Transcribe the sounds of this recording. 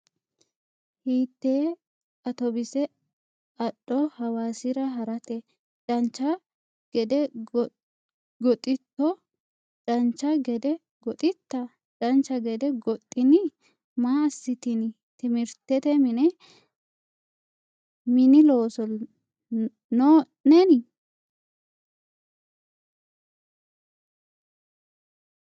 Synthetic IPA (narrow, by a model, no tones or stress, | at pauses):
hiːt̪ːeː | ɐt̪ɔbɪsɛ | ɐɗːɔhɐwaːsɪɾɐɦɐɾɐt̪ɛ | t͡ʃʼɐnt͡ʃːɐ | ɡ̥ɛd̪ɛ | ɡɔt̪ʼɪt̪ːɔ | t͡ʃʼɐnt͡ʃːɐɡɛd̪ɛ | ɡɔt̪ʼɪt̪ːɐ | t͡ʃʼɐnt͡ʃːɐɡɛd̪ɛɡɔt̪ʼːɪnɪ | maːɐsːɪt̪ɪn | t̪ɪmɪɾt̪ːɛt̪ɛmɪnɛ | mɪnɪlo̞ːsɔ | no | nɛnɪ